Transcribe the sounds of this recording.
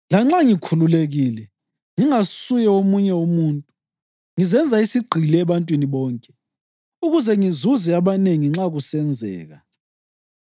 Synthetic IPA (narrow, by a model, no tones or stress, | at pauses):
laŋ͡ǁaŋikʰululeɣiːlɛ | ŋiŋasujɛomuɲɛomuːntʼu | ŋizɛnd͡zʱaisiɡ͡ǃʱilɛːβantʼwiniβɔːŋkʼɛ | uɣuzɛŋizuzɛaβaneŋiŋ͡ǁaɣusɛnd͡zʱɛ̰ːɣa